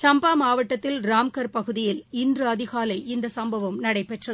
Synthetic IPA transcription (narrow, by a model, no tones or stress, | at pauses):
t͡ʃɐmbaːmaːʋɐʈːɐt̪ːɪlɾaːmkɐɾpɐɣɯðɪjɪlɪndrɯɐðɪɣaːlɐɪɪnd̪ɐsɐmbɐʋɐmnɐɽɐɪpːɛʈrɐ